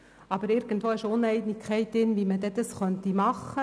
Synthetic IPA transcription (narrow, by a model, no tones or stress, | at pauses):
ɑbəɾɪɾɡ̥ənt̪ʋoːɪʃʊnɛɪdnɪkʰχɛɪtɪnʋiməd̪ɛd̥̪ɑsχœnt̪imɑχːə